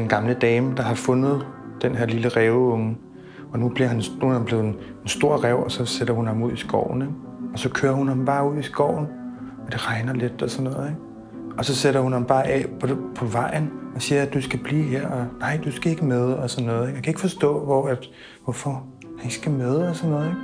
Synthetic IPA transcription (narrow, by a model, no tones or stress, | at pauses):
denɡ̥ɑ̈mləd̥ɛːməd̥ɑ̈ɦɑ̈fɔ̽nð̞̩ˠd̥enɦeɐ̰liləʁɛːʊɔm | ɒ̽nub̥liɐɦænnuhæmb̥le̝ːð̩ˠensd̥o̝ɐ̰ʁɛʊɒ̽sɒ̽seɾ̥ɐhunhɑ̈muð̰ˠisɡ̥ɒ̰ʊ̰n̩eɡ̥ɒ̽sɒ̽kʰøːɐhunhɑ̈mb̥ɑ̈ːuð̰ˠisɡ̥ɒ̰ʊ̰n̩ | ɒd̥e̝ʁɑ̈ɪnɐled̥ɒ̽sɒnːɔ̽ːð̩ˠeɡ̥ | ɒ̽sɒ̽seɾɐhunhɑ̈mb̥ɑ̈ːʔɛ̰pʰpʰɒ̽ʋɑ̈ɪ̰n̩ɒ̽siːɐd̥usɡ̥æb̥liːɦeɐ̰ɒ̽nɑ̈ɪ̰d̥usɡ̥æe̝ɡ̥əmeð̞ˠəɒsɒ̽nːɔ̽ːðˠeɡ̥jakʰæe̝ɡ̥fɒ̽sd̥ɔ̰̽ːʋɒæd̥ | ʋɒfɒ | hænɡ̥sɡ̥æmeð̞ˠɒsɒnːɔːð̩ˠeɡ̥